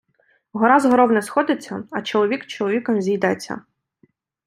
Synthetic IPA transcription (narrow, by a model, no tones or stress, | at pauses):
ɦɔɾazɦɔɾɔwnɛsxɔd̪ɪt͡sʲːɐɐt͡ʃɔlˠɔʋʲikt͡ʃɔlˠɔʋʲikɐmzʲijd̪ɛt͡sʲːɐ̰